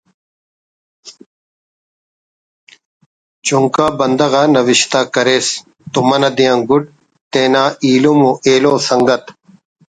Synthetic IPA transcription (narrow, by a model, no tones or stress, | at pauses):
t͡ɕuŋkaːbɐnd̪ɐɣaːnɐʋiɕt̪aːkɐɾeːs | t̪umɐnɐd̪ijãːŋɡuɖ̚ | t̪eːnaːiːlumuʔeːloːsɐŋɡɐt̪